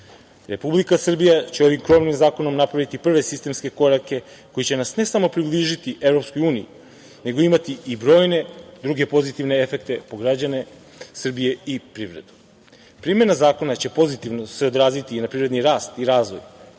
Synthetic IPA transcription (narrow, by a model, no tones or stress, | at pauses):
ɾe̞publikasr̩bijat͡ɕe̞o̞ʋimkɾo̞mnimzaːko̞no̞mnapɾaʋit̪ipr̩ʋe̞sist̪e̞mske̞ko̞ɾake̞ | ko̞jit͡ɕe̞nasne̞samo̞pɾibliʒit̪iʔe̞vɾo̞psko̞juːnijḭ | ne̞ɡo̞imat̪iibɾo̞ːjne̞d̪ɾuɡe̞po̞zit̪iʋne̞efe̞k̚t̪e̞po̞ɡɾad͡ʑane̞ | sr̩bije̞ipɾiʋɾe̞̰d̪u̥ | pɾimje̞nazaːko̞nat͡ɕe̞po̞zit̪iʋno̞se̞od̪ɾaːzit̪inapɾivɾed̪niɾaːst̪iɾaːzʋo̞̰j